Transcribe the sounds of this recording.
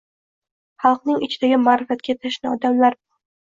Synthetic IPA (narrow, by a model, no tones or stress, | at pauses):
χɑlˠqnɪŋɪt͡ʃʰɪd̪aɡʲɪmaːɾɪfat̪̚kʲat̪ʰaʃnɪɒd̪amlaɾbɒɾ